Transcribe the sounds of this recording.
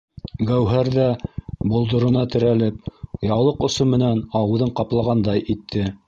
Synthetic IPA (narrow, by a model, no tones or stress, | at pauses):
ɡæwɦæɾðæbŏlˠd̪ŏɾŏnɑt̪ɘ̆ɾælɘp̚jɑwlˠɤqŏsɤmɘ̆nænɑwɤ̆ðɤɴqɑplˠɑʁɑnd̪ɑjit̪ʰːɘ